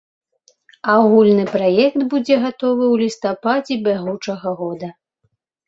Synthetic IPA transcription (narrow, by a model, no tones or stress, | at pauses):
awɣulʲnɨpɾajɛkt̪bud͡zʲɛɣat̪ɔvɨwlʲist̪apad͡zʲɛbʲaɣut͡ʂɐɣɐɣɔd̪ɐ